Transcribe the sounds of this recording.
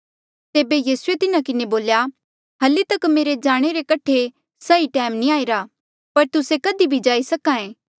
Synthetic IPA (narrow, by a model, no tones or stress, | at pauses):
t̪eːbejiːsuet̪ɪnakɪneboːlja | ɦɐlit̪ɐkmeːɾed͡ʒaːɽ̃eɾekɐʈʰe | sɐiʈɛːmnĩaːiɾa | pɐɾt̪ʊsekɐd̪ibʱid͡ʒaːisɐkãːẽː